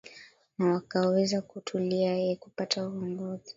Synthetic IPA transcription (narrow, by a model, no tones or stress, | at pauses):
nawakawɛzakutʰuliajɛkupatʰauɔŋɡɔzi